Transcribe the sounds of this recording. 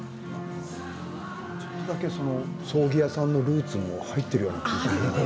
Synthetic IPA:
t͡ɕot̪ːo̞d̪ake̞so̞no̞so̞ːɡʲijasãnːo̞ɾɯ̟ːt͡sɨmo̞̰hait̪ːe̞ɾɯ̟jo̞ːnakanɡi

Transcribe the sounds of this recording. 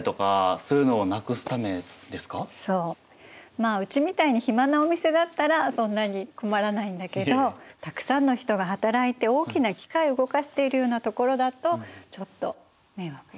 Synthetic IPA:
t̪o̞ka̰sɨɾɯ̟noːnakɯ̟sɨ̥t̪ame̞d̪e̞sɨ̥kaso̞ː | maːɯ̟t͡ɕimʲit̪aiɲ̟içimanaomʲise̞d̪at̪ːaɾasõ̞nːaɲ̟iko̞maɾanaĩnd̪ake̞d̪o̞t̪akɯ̟̥sãnːo̞çi̥t̪o̞ɡaɦat̪aɾait̪e̞o̞ːkʲinakʲi̥kaiɯ̟ɡo̞kaɕi̥t̪e̞iɾɯ̟jo̞ːnat̪o̞ko̞ɾo̞d̪at̪o̞t͡ɕo̞t̪ːo̞̰ | me̞βa

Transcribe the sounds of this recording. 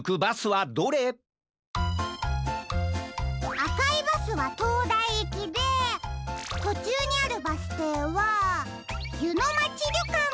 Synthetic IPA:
kɯbasɨβad̪o̞ɾe | akaibasɨβat̪oːd̪aiekʲid̪e̞ | t̪o̞t͡ɕɨːɲ̟iaɾɯ̟basɨ̥t̪eːβa | jɯ̟no̞mat͡ɕiɾʲokã

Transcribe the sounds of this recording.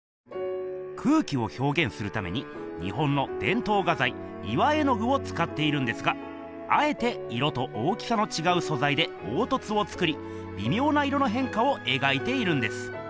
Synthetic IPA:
kʰɯ̟ːkʲio̞ço̞ːɡẽ̞ɰ̃sɨɾɯ̟t̪ame̞̰ɲ̟i | ɲ̟ḭɦõ̞nːo̞d̪̥ẽ̞nt̪o̞ːɡazai | iβae̞no̞ɡɯ̟o̞t͡sɨ̥kat̪ːe̞iɾɯ̟̃nd̪esɨɡa | a̰e̞t̪e̞ | iɾo̞t̪o̞ʔoːkʲi̥sano̞t͡ɕiɡaɯ̟so̞zaid̪e̞ | oːt̪o̞t͡sɨo̞t͡sɨ̥kɯ̟ɾʲi | bʲimʲo̞ːnaiɾo̞no̞ɦẽ̞ŋkao̞ʔe̞ɡait̪e̞iɾɯ̟̃nd̪e̞sɨ̥

